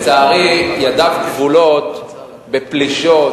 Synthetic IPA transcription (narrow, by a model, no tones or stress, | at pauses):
t͡saːʁijadavkvulo̞t̪ | bepliʃo̞